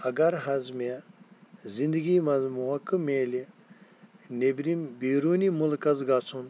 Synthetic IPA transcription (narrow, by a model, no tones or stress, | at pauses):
ɐɡɐɾɦɐzme | zĩnd̪əɡiːmɐzmuɦɐkːɨmeːli | nebɾibiːɾuːnimulkɐzɡat͡sʰun